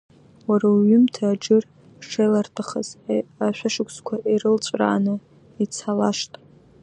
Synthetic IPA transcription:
waraɥʏmtʰaːd͡ʒɨr | ʂejlartʰaχa̰z̥aʃʷᶣaʂʊkʷʰʼskʷʰaʔiɾɨlt͡ʃʷʼra̰ːnɨ | it͡sʰalaʃtʼ

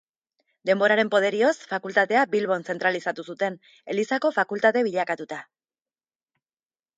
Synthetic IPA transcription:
d̪e̞mbo̞ɾaɾe̞mpo̞ð̞e̞ɾio̞sfakult̪aðe̞abilβo̞nse̞nt̪ɾalisat̪usut̪e̞n | e̞lisako̞fakult̪aðe̞βiʎakat̪ut̪a

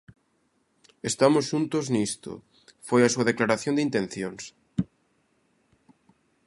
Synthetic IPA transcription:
est̪amosʃunt̪oznist̪o̰ | fojasuaðeklaɾaθjond̪eint̪en̟θjons

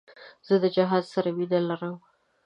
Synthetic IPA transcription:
z̥əd̪əd͡ʒaɦɑzsaɾawid̪alaɾəm

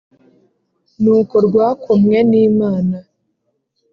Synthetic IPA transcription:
nuːkoɾɡwaːkʰumŋe̞niːmaːna

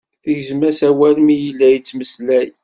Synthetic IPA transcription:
θəʝzmæsæwælmijəlːæjət͡sːməslæj

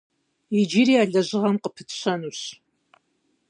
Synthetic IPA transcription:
id͡ʒiɾiaːɮɐʑɪʁɐmqəpʰɨtɕɐnuːɕ

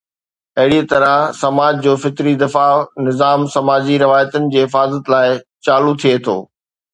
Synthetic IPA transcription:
ɐɦɪɽit̪ɐɾə̃sɐmaːd͡ʑd͡ʑoːfɪt̪ɾid̪ɪfanɪzaːmsɐmaːd͡ʑiɾɪʋaːjət̪ənɪ̆d͡ʑeːɦɪfaːzət̪laːɪt͡ɕaːlut̪ʰiet̪ʰo̰ː

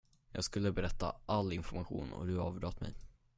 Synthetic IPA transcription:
jɑːɡskɵlːəbɛɾɛt̪ːa̰ʔalːɪnfɔɾmaɧṵːnɔ̰d̪ɵɑːvd̪ɾɑːt̪mɛ̰j

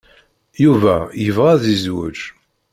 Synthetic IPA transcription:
juvæjəvʁæðizwəʒ

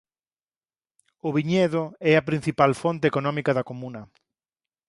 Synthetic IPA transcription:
ʊβiɲeðʊɛɐpɾĩn̟θipalfont̪eːkonɔ̃mikɐðɐkomũnɐ

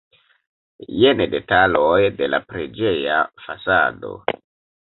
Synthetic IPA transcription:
jenede̞talojde̞la̰pɾed͡ʒe̞ja̰fasa̰do̞̰

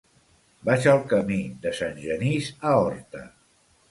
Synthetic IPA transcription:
baʃalˠkəmid̪əsanʲʒənizaɔɾt̪ə̰

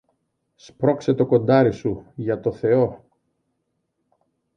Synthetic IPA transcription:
spɾo̞kse̞t̪o̞ko̞nd̪ɐɾisuʝɐt̪o̞θe̞o̞

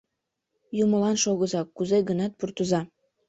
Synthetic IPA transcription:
juməlɑnʃoɣəzɑkːuzeɣənɑt̪̚purt̪əzɑ

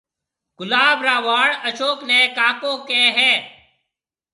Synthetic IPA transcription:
ɡ̥ʊlaːbɾaːʋaːɽəʃoːkneːkaːkõːkẽːɦɛː

